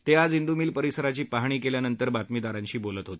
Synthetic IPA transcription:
t̪ead͡zind̪umiːlpəɾisəɾat͡ɕiːpaɦɳ̃iːkeljanənt̪əɾbat̪mid̪aɾãɲt͡ɕiːbolət̪ɦot̪i̥

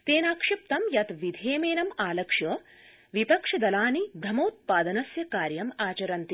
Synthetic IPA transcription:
t̪eːnaːkʂɐp̚t̪ɐmjɐt̪ʋid̪ʱeːmeːnɐmaːlɐkʂjɐ | ʋipɐkʂɐd̪ɐlaːnid̪ʱɐmoːt̪̚paːd̪ɐnɐsjɐkaːɾjɐmaːt͡ʃɐɾɐnt̪i

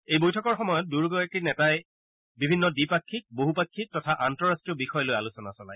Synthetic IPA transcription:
ejbojtʰɔkɔɹxɔmɔjɔt̚duɹɡɔjakinɛtaj | bibʱinːɔdipakʰːik̚boɦupakʰːik̚tɔtʰaʔantɔɹastɹiɔbixɔjɔlojalusɔnasɔla̰j

